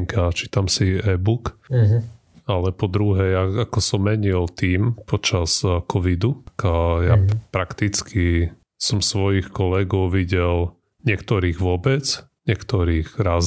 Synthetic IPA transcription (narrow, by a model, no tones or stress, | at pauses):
ŋkat͡ʃiːt̪amsiɛbuk | alɛpɔd̪ɾuɦɛjaakɔsɔmːɛɲilt̪iːmpʰɔt͡ʃaskʰɔʋid̪ukjapɾakt̪it͡skʰi | sɔmsʋɔjixkɔlɛɡɔʊʋiɟɛl | ɲɪɛkt̪ɔɾiːɣʋʊɔbɛt͡sɲɪɛkt̪ɔɾiːɣɾaːz